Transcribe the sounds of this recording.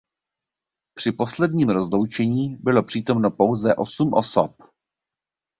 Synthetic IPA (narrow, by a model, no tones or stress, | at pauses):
pr̝̥ɪpo̞slɛdɲiːmɾo̞zlo̞wt͡ʃɛɲiːbɪlo̞pr̝̥iːt̪o̞mno̞po̞wzɛʔo̞sumʔosop̚